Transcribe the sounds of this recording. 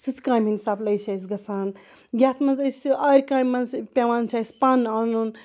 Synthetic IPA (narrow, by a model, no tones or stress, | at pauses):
sɨt͡skãːmʲinʲsaːblɐjsasɡɐsaːn | ɡʲaːt̪ʰmɐnzɐsɐɾʲkãːmɐnzpʲewaːnsaːspanɐnun